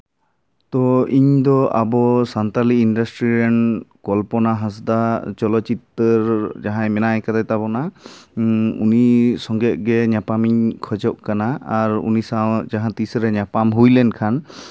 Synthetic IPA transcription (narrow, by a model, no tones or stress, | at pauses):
t̪ɔiɲd̪ɔa̰bɔsant̪aliinɖasʈɾiɾɛnkɔlpɔnaɦãs̬d̪at͡ʃɔlɔt͡ʃit̪ːəɾd͡ʒaɦãjmɛnajkat̪at̪abɔna | ṵnisɔŋɡɛʔ̚ɡɛɲapamiɲkʰɔd͡ʒɔʔkanaːɾṵnisawd͡ʒaɦãt̪isɾɛɲapamɦujlɛnkʰan